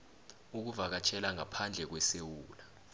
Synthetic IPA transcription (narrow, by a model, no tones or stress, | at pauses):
uk̬uvak̬at͡ʃʰɛlaŋapʰand͡ɮʱɛk̬wɛsewuːla